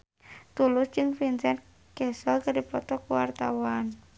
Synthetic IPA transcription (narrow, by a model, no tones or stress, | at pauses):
t̪ulʊsd͡ʒɨŋfinsɛn | kɛsɔlkadipɔt̪ɔkuwart̪awan